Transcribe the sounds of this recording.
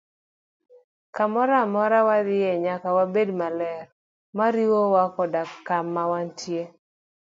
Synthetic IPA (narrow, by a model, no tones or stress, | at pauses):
kamɔɾamɔɾawad̪ɪjɛɲakawabedmalɛɾ | maɾiwowakɔdakːamːawantje